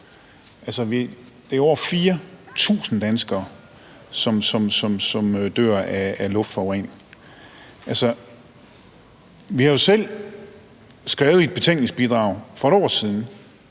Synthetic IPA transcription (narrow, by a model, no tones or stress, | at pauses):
ʔælsəʋid̥e̝ɒ̰ɐfiːɐt͡sʰṵːsn̩d̥ænsɡ̥ɐː | sɒ̽msɒ̽msɒ̽msɒ̽mød̥ø̰ɐ̰æːlɔ̽fd̥fɒʊʁɛn | ʔælsə | ʋihɑ̈jo̝sel̰ | sɡ̥ʁɛːʊð̩ˠi̝d̥̚b̥e̝t͡sʰeŋɡ̥̚ne̝ŋsb̥id̥ʁɑ̈ʊ̰fɒ̽eɾ̥ɒ̰ːsiðˠn̩